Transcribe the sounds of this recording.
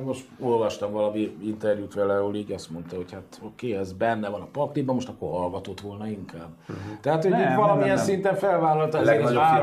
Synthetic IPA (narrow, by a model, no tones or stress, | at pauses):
mo̞ʃt̪o̞lvɒʃt̪ɒmvɒlɒmiint̪ɛrjuːt̪ʋɛlɛɦoliːɟɒst̪mo̞nt̪ɒɦo̞chat̪o̞keːɛzbɛnːɛvɒnɒpɒrt̪ibɒmːoʃt̪ɒkːo̰rɦɒlɡɒt̪ot̪ʋo̞lnɒiŋkaːbt̪ɛɦaːt̪honiːvɒlɒmijɛnssint̪ɛɱfɛlvaːlɒlt̪ɒɛzɛɾaː